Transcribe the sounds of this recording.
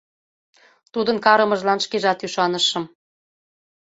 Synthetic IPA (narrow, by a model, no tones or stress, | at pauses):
t̪ud̪ə̆nkɑɾɤ̆mɤ̆ʒlɑnʃkeʒɑt̪yʃɑnəʃɤ̆m